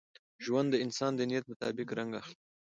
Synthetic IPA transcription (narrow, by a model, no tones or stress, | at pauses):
ʒwand̪ːəɪnsɑnd̪ənijat̪̚mʊt̪ɑ̰bɪkɾaŋɡaxli